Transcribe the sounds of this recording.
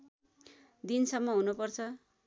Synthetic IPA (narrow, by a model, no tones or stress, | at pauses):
d̪insʌmːʌɦunupʌrt͡sʰʌ